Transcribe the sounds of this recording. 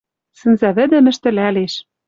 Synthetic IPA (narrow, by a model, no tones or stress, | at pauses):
sɘ̆nzæβɘ̆d̪ɘ̆mɘ̆ʃt̪ɘ̆læleʃ